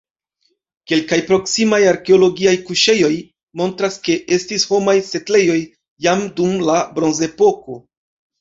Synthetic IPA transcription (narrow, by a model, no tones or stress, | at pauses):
ke̞lkajpɾo̞ksimajaɾke̞o̞lo̞ɡiajkuʃe̞jo̞j | mo̞ntɾaske̞ʔe̞stisho̞majse̞tle̞jo̞jː | amdumlabɾo̞nze̞po̞ko̞